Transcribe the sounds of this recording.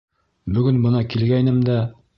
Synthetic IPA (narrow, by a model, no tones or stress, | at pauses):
bɵ̆ɡɵnbɤ̆nɑkilɡæjnɘmd̪æ